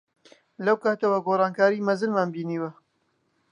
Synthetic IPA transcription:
lɐwkaːt̪ɐwaɡoːrˤɑːnkaːɾimɐzɨnmaːnbiːniːwɐ

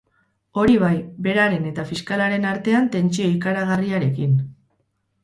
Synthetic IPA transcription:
o̞ɾiβ̞ajbe̞ɾaɾe̞ne̞t̪afiskalaɾe̞naɾt̪e̞ant̪e̞nt͡sio̞ikaɾaɣariaɾe̞kin

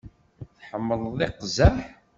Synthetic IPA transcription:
θħəmːəlˤðˤɪqzəħ

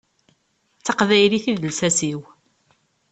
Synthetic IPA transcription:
t͡sːɑqðæjliθiðəlsæsiw

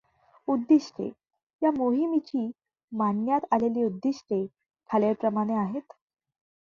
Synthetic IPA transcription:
ud̪ːiʂʈʰḛ | jamoɦimit͡ɕiː | manːjat̪aleliːud̪ːiʂʈʰe | kʰaleɾpɾəmaɽ̃eaɦet̪

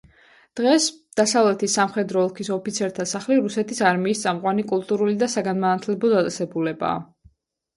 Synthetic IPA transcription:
d̪̥ʁɛsd̪̥asavlɛt̪ʰisamχɛd̪ɾɔɔlˠkʰisɔpʰit̪sʰɛɾt̪ʰasaχliɾusɛt̪ʰisaɾmiːst̪sʼamqʼwanikʼulˠt̪ʼuɾulid̪asaɡanmanat̪ʰlɛbɔd̪at̪ʼɛsɛbulɛba̰ː

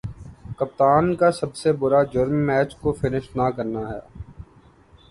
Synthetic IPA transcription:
kɐp̚t̪aːnkasɐbsebʊɾad͡ʒʊɾmːɛːt͡ʃkofɪnɪʃnakɐɾnaɦɛ̰ː

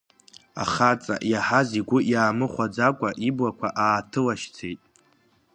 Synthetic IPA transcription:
a̰χat͡sʼa̰ʔjaħaziɡʷʊjaːmɨχʷad͡zakʷʼaʔiblakʷʰaʔaːtʰɨlaʃt͡sʰejtʼ

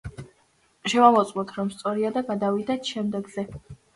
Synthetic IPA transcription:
ʃɛvamɔt̪sʼmɔt̪ʰɾɔmst̪sʼɔɾiad̪aɡad̪avid̪at̪ʰʃɛmd̪ɛɡz̥ɛ

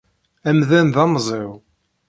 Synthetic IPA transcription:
æmðænðɑmzˤew

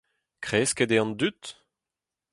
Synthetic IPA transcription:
kχeːsked̪eɑ̃nd̪yt̪

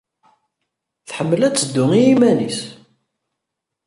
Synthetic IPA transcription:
θħəmːəlæt͡sːəd̪ːʊŋijimænis

